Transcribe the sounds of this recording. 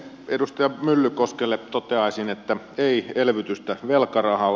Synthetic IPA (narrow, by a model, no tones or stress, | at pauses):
edust̪ɑjɑmylːykoskelːet̪ot̪eɑˑisinet̪ːæ | eielʋyt̪yst̪æʋelkɑrɑhɑl